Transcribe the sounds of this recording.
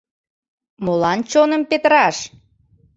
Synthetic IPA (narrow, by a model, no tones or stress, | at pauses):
molɑnt͡ɕonəmpet̪əɾɑʃ